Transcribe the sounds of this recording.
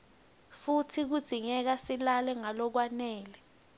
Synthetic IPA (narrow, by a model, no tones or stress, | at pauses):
futʰik̬ud̥z̥ʱiɲɛk̬asilalɛŋalɔk̬wanɛːlɛ